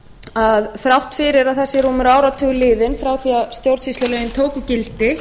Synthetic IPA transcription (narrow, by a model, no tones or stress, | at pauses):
aðθɾawht̪fɪɾɪɾaðθɛsːɪɾumʏɾaːwɾat̪ʰʏːɣʏlɪːðɪnfɾawθiast̪jowɾt̪sist̪ɔlejɪnt̪ʰoːwkʏcɪlt̪ɪ